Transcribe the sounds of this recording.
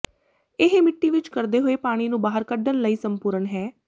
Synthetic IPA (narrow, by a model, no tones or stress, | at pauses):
ɪɦmɪʈːiːʋɪt͡ʃkəɾd̪eːɦoːeːpaːɽ̃iːnũːbaːɦəɾkəɖənləiːsəmpʊɾənɦɛː